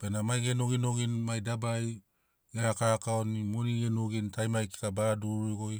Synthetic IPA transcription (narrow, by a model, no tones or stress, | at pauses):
penamajɡenoɡinoɡinmajdabaj | ɡeɾakaɾakaonimoniɡenoɡintajmajki̥tabaaduɾojɡo̞j